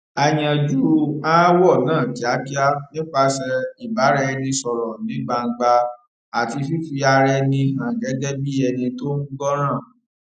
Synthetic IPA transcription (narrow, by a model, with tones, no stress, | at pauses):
a˧j̃ã˧d͡ʒu˦a˦wɔ˦˨nãː˦˨ti˨˦a˦ki˦a˦nĩ˦k͡pa˧sɛ˧i˨ba˨˦ɾɛ˦˧nĩ˧sɔ˨ɾɔ˨nĩ˨˦ɡ͡ba˧ŋ̩˧ɡ͡ba˧ | a˨ti˧fi˦fi˧a˧ɾɛ˧nĩ˧ɦã˨ɡɛ˨˦dɛ˦bi˦ɛ˧nĩ˧to˦nũ˦ɡɔ˦ɾ̃ãː˦˨